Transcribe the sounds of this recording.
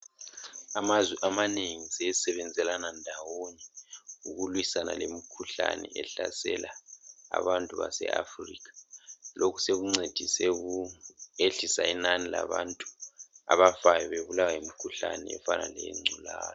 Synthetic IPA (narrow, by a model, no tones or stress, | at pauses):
amazwiʔamaneŋisesɛβɛnd͡zʱɛlanandʱawonɛuɣulwisanalemikʰuɬa̰nɛ̰ʔɛɬa̰sɛlʔaː | βantʼuβa̰sɛ̰afriːkʰḁlokʰu̥seɣuŋ͡ǀed̥ʱisɛɣueɬisainanilaβantʼu̥a̰βafajɔβeβulawajimikʰuɬanɛɛfana̰lɛj̰ŋ͡ǀʱulaːjɔ